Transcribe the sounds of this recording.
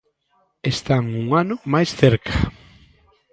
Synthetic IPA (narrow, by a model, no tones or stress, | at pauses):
est̪aŋuŋanʊmajsθeɾkʰḁ